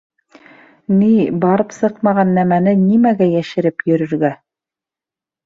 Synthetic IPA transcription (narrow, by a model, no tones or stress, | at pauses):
nibɑɾɤpsɤqmɑʁɑnːæmænɘnimæɡæjæʃɘ̆ɾɘpjɵ̆ɾɵ̆ɾɡæ